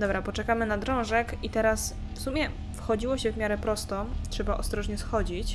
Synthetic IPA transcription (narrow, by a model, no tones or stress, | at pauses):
d̪ɔbɾapɔt͡ʂɛkamɘnad̪ɾɔ̃w̃ʐɛkit̪ɛɾas | fsumʲjɛ | fxɔd͡ʑiwɔɕɛvmʲjaɾɛpɾɔst̪ɔtʂɛbaʔɔ̰st̪ɾɔʐɲɛsxɔd͡ʑit͡ɕ